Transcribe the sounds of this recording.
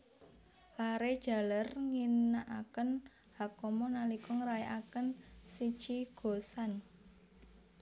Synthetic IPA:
laɾed̥ʒ̥ä̤lərŋinnaʔa̰kən | hakɔmɔnalikɔŋɾajaʔakənsi̥t͡ʃiɡ̥o̤san

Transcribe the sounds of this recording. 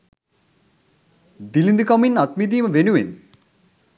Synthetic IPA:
d̪ilind̪ikʌminʌt̪mid̪imɐbʱenuwḛn

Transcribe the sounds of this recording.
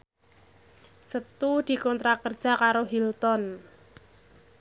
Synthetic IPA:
sət̪ud̪̥i̤kɔnt̪ɾakərd̥ʒ̥a̤kaɾoɦilt̪ɔn

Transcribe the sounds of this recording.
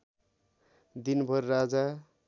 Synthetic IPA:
d̪inbʱʌrːad͡za

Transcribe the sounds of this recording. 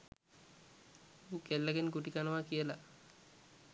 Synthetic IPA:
ukelːəɡenɡuʈikanəʋakijəla

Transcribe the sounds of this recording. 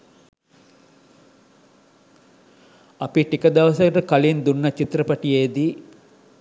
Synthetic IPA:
ɐpiʈikɐd̪ɐʋɐsɐʈəkɐlind̪unːɐt͡ʃit̪ɾəpɐʈijeːd̪i

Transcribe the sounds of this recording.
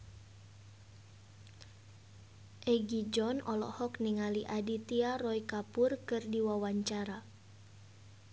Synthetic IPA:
ʔɛɡid͡ʒɔnɔlɔ̰hɔkniŋaliʔadit̪iarɔikapʊrkɨrdiwawaɲt͡ʃaɾa

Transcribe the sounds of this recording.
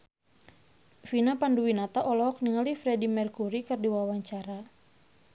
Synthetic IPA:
finapanduwinat̪aʔɔlɔɔk̚niŋalifɾɛdimɛrkuɾikɨrdiwawaɲt͡ʃaɾa

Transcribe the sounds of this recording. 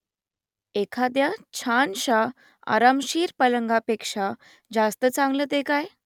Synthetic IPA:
ekʰad̪jat͡ɕʰanɕa | a̰ɾamɕiːɾpələŋɡapekʂa | d͡zast̪ət͡sãŋɡlət̪ekaj

